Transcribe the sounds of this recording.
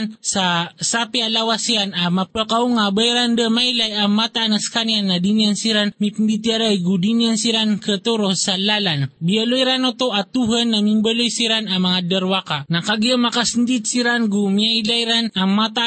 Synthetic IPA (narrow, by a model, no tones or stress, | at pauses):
nsasapialawasianamapəkauŋabajɾand̪əmajlajaŋmat̪anaskanianːadiniansiɾanmipnd̪it̪jaɾajɡudiniansiɾankət̪oɾosalalanbialojɾanot̪oʔat̪uɦanːamimbəlojsiɾanamaŋad̪əɾwakanakaɡiamakasnd̪id̪siɾanɡumiajlajɾanaŋmat̪a